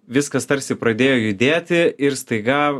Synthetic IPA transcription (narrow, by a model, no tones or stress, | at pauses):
ʋʲɪskɐst̪ɐɾʲsʲɪpɾɐd̪ʲeːjoːjʊd̪ʲeːt̪ʲɪɪɾst̪ɐɪɡɑ